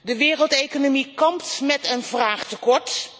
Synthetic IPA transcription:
dəʋɪːrəlˠtejkonomikɑmptmɛtənvraːχtəkɔɹt

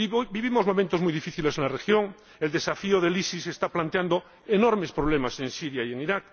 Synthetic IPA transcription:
biβimozmomẽnt̪ozmujðifiθilesenlarexjoŋ | eld̪e̞safioð̞elisisest̪aplant̪eand̪o | enoɾmespɾoβ̞lemase̞nsiɾjaieŋiɾak̚

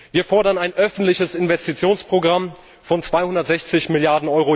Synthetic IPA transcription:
viːɐfɔɐɾɐnaɪnʔœfn̩tlɪçəsɪnvɛstit͡sjoːnspʁ̥oɡʁam | fɔnt͡sv̥aɪhʊndɐtz̥ɛçt͡sɪçmɪljaɐdn̩ɔʏʁo

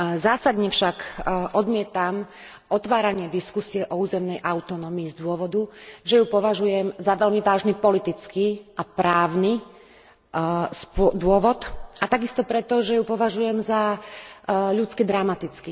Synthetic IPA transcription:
zaːsad̪ɲɛfʃakʔɔd̪mɪɛt̪am | ʔɔt̪ʋaːɾaɲɪɛd̪iskusiɛʔɔuːzɛmnɛjʔaʊt̪ɔnɔːmiːzd̪ʊɔʋɔd̪uʒɛjupɔʋaʒujɛmzaʋɛʎmiʋaːʒnipɔlit̪it͡skiapɾaːʊni | spd̪ʊɔʋɔt̪ʔat̪aɡist̪ɔpɾɛt̪ɔʒɛjupɔʋaʒujɛmza | ʎut͡skid̪ɾamat̪it͡ski

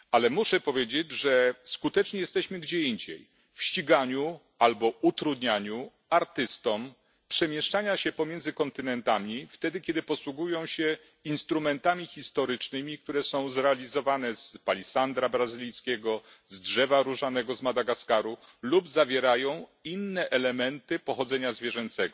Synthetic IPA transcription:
alɛmuʂɛpɔvʲjed͡ʑed͡ʑʐɛskut̪ɛt͡ʂɲijɛst̪ɛɕmɘɡd͡ʑɛiɲd͡ʑḛj | fɕt͡ɕiɡaɲu | albɔut̪ɾud̪ɲaɲu | aɾt̪ɘst̪ɔm | pʂɛmʲjɛʂt͡ʂaɲaɕɛpɔmʲjɛnd̪zɘkɔnt̪ɘnɛnt̪amʲift̪ɛd̪ɘkʲjɛd̪ɘpɔswuɡujɔ̃w̃ɕɛ | inst̪ɾumɛnt̪amʲixʲist̪ɔɾɘt͡ʂnɘmʲik̚t̪uɾɛsɔ̃w̃zɾɛalʲizɔvanɛzpalʲisand̪ɾabɾazɘlʲijskʲɛɡɔzdʐɛvaɾuʐanɛɡɔzmad̪aɡaskaɾu | lubzavʲjɛɾajɔ̃w̃inːɛʔɛlɛmɛnt̪ɘpɔxɔd̪zɛɲazvʲjɛʐɛnt̪sɛɡɔ

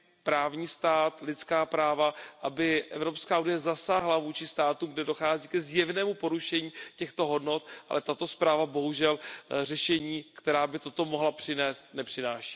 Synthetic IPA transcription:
pɾaːvɲiːst̪aːt̪lɪt̪t͡skaːpɾaːvaʔabɪʔɛvɾo̞pskaːunɪjɛzasaːɦlavuːt͡ʃɪst̪aːt̪uːmɡdɛdo̞xaːziːkɛzjɛvnɛːmupo̞ɾuʃɛɲiːcɛxt̪o̞ɦo̞dno̞t̪ʔa̰lɛt̪at̪o̞spɾaːvabo̞ɦuʒɛlr̝ɛʃɛɲiːkt̪ɛɾaːbɪt̪o̞t̪o̞mo̞ɦlapr̝̥ɪnɛːst̪nɛpr̝̥ɪnaːʃi̥ː

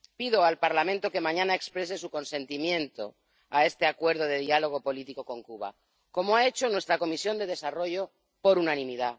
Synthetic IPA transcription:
piðo̞alpaɾlamẽ̞nt̪o̞ke̞mãɲãnae̞kspɾe̞s̬e̞suko̞nsẽ̞nt̪imjẽ̞nt̪o̞̰ | ae̞st̪e̞akwe̞ɾð̞oð̞e̞ðialo̞ɣ̞o̞po̞lit̪iko̞ko̞ŋkuβa̰ | ko̞moae̞t͡ʃo̞nwest̪ɾako̞misjo̞nd̪e̞ðe̞saro̞ʝo̞ | po̞ɾunanĩmiða

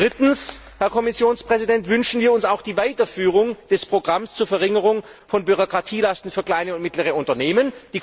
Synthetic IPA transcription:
d̥ʁɪtn̩s | hɛɐkʰɔmɪsjoːnspʁ̥ɛzidɛntv̥ʏnʃn̩viːɐʊnsaʊxd̥iːvaɪtɐfyːʁ̞ʊŋd̥ɛspʁ̥oɡʁamst͡suːɐfɛɐʁɪŋəʁʊŋ | fɔnbyʁ̞okʁ̥atʰiːlastn̩fyːɐkl̥aɪnəʊntmɪtləʁ̞əʊntɐneːmənd̥iː

